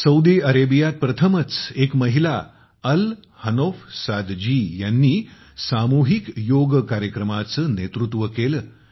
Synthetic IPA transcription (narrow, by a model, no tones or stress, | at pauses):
səwd̪iəɾebijat̪̚pɾət̪ʰəmət͡sekməɦila | əl | hənofsad̪d͡ʑiːjanːiː | samuɦikjoɡkaɾjəkɾəmat͡sənet̪ɾut̪ʋəkelə